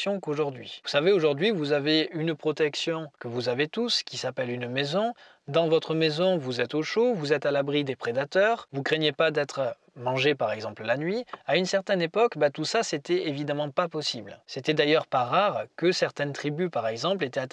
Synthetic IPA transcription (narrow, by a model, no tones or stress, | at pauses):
jɔ̃koʒuʁd̪ɥivusaveoʒuʁd̪ɥivuzaveynpχɔt̪ɛksjɔ̃kəvuzavet̪uskʲisapɛlynmezɔ̃ | d̪ɑ̃vɔt̪χəmezɔ̃vuzɛt̪oʃovuzɛt̪alabʁid̪epχed̪at̪œʁvukχeɲjepad̪ɛt̪χə | mɑ̃ʒepaʁɛɡzɑ̃pllanɥiaynsɛʁt̪ɛnepɔkbat̪usaset̪ɛevid̪amɑ̃papɔsiblset̪ɛd̪ajœʁpaʁaʁkəsɛʁt̪ɛnt̪χibypaʁɛɡzɑ̃plet̪ɛat̪